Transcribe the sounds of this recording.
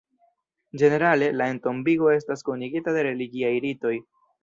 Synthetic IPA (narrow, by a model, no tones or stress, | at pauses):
d͡ʒe̞ne̞ɾale̞lae̞nto̞mbiɡo̞e̞staskuniɡitade̞ɾe̞liɡiajɾito̞j